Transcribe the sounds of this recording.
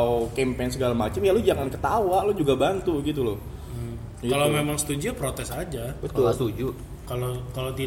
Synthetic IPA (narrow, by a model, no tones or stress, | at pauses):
okempens̬əɡalamat͡ʃamjalʊd͡ʒaŋankət̪awalʊd͡ʒuɡabant̪uɡit̪ulʊh | alomemaŋsə̥t̪ud͡ʒiapɾot̪ɛsad͡ʒabət̪ulasud͡ʒu | kalokalot̪i